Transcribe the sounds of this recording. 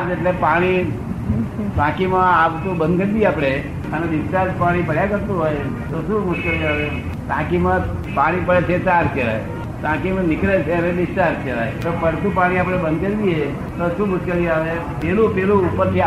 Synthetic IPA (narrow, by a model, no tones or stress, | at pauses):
d͡ʒeʈlepaɽ̃i | pãkimãaʋt̪ũbə̃nd̪kəɾb̪iapɽe | əned̪ɪsʈaɾd͡ʒpaɽ̃ipəɽjakəɾt̪ũɦoj | t̪oʃũmʊʃkeliaʋe | t̪ã̰kimãpaɽ̃ipəɽet͡ʃʰet͡ʃaɾkeɾa̰j | t̪ãkimãnɪkɾet͡ʃʰeəned̪ɪsʈaɾskeɾa̰jet̪opəɽt̪ũpaɽ̃iapɽ̃ebənd̪ɡəɾbie | t̪oʃũmʊʃkeliaʋe | pelũpelũːpːəɾt̪i